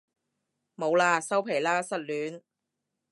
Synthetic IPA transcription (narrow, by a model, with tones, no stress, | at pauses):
mo˨˧wlaː˧sɐ˥wpʰe˨˩laː˥sɐ˥t̚lyː˨˥n